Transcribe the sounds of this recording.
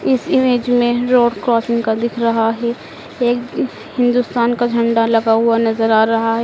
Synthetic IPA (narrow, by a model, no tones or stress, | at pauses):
ɪsɪmeːd͡ʒmẽɾoːɖkɾɔːsɪ̃ŋɡkad̪ɪkʰɾɐɦaɦɛ | eːk | hɪ̃nd̪ust̪aːnkad͡ʒʱɐ̃ɳɖalɐɡaɦʊanɐzəɾaːɾɐɦaɦɛ